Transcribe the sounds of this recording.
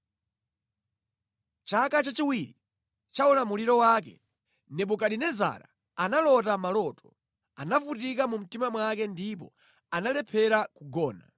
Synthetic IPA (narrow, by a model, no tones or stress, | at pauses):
t͡ʃakat͡ʃat͡ʃiwiɾi | t͡ʃaɔnamuliɾɔwak̬ɛ̰ | nɛɓukaɗinɛza̰ɾa̰ | analɔtamalɔtɔ̥ | anafutikamum̩timamwakɛndipɔ̰ | analɛpʰɛɾakuɡɔːna̰